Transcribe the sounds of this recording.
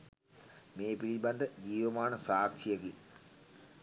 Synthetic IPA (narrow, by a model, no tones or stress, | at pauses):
meːpiliband̪əd͡ʒiːʋəmaːnəsaːkʃijəɡi